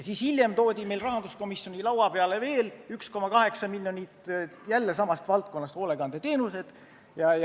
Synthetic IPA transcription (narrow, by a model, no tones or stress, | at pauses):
siːshilʲje̞mt̪o̞ːd̪̥ʲime̞jlrɑɦɑnd̪usko̞misjonʲilɑwɑpe̞ɑleve̞ːlyksko̞mɑkɑɦe̞ksɑmilʲːjo̞nʲit̪ˑjælːesɑmɑst̪vɑlt̪̚ko̞nːɑst̪hoːle̞ɡ̥ɑnd̪et̪e̞ːnuse̞d̪̥ | jɑj